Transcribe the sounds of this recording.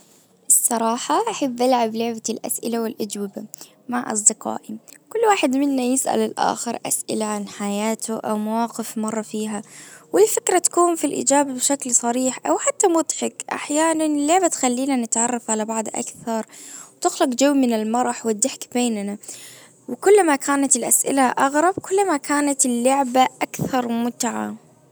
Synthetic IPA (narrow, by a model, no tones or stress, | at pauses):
ʔɨsˤːɑɾˤɑːħaʔaħabːʔalʕablʊʕbalʔa̰sʔɪlawɪlʔad͡ʒwɪba | maʕʔɑ̰s̬ˤd̪ɪqɑ̰ːʔikʊlːwaːħɪd̪mɪnːajɪsʔa̰lɪlʔa̰ːxɪɾˤʔa̰sʔɪ̰laʕanħajaːt̪ʰʊʔa̰wmawaːqɪfmɑrˤːɑfiːɦawɪlfɪkɾat̪ḁkuːnfilʔḭd͡ʒaːbabɪʃaklsˤɑɾiːħʔawħat̪ːamʊd̪ħɪkʔa̰ħjaːnanɪlːʊʕbat̪xalːiːnanɪt̪ʕɑrˤːɑfʕalabɑʕd̪ˤʔa̰kθɑɾˤwt̪ɪxlɑqd͡ʒawːmɪnalmɑɾˤɑħwɪd̪ːɪħkbeːnna | wɪkʊlːmakʰaːnat̪ɪlʔasʔɪ̰laʔɑɣɾˤɑb̚kʊlːmakʰaːnat̪ɪlːʊʕbaʔakθɑɾˤmʊt̪ʕa̰